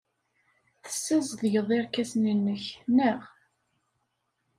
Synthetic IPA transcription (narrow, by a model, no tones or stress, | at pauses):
θə̥sːæzˤðjəðˤeɾkæsninːəçnəʁ